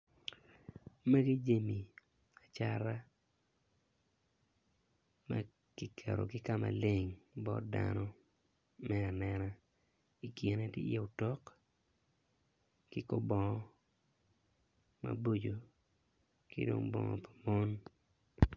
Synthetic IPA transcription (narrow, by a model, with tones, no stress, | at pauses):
ma˦ɡi˦d͡ʒe˦mi˨ | a˨t͡ʃa˦ɾa˦ | ma˦ | ki˦kʰɛ˨ɾo˨kɪ˦ka˦ma̰˨lɪ˦ŋbɔ̰˦tda̰nɔ˦ | mɛ˦a˨nɛ˦na˦ | i˨kje˨na˦tjɪ̰˦jɛ˦o˨tɔ˦k | kɪ˦ko˦bɔ˨ŋɔ˦ | ma̰˨bo˦d͡ʒo˨ | kɪ̰˦do̰˦ŋbɔ˨ŋɔpḁ˨mɔ˦n